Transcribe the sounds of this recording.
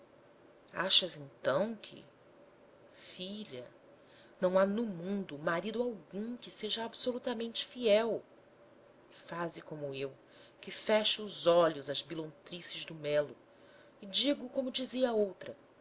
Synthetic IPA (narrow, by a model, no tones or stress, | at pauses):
a̰ʃɐzẽnt̪ɐ̃w̃kʰɪ̰ | fiʎɐ̰ | nɐ̃w̃anʊmũnd̪ʊmaɾid̪ʊawɡũkɪseʒɐabsolut̪ɐmẽnt͡ʃɪ̥fiɛw | ɪfazɪkõmʊew | kɪfɛʃʊːzɔʎʊzɐzbilõnt̪ɾisɪzd̪ʊmɛlʊ | ɪd͡ʒiɡʊkõmʊd͡ʒiziɐaowt̪ɾɐ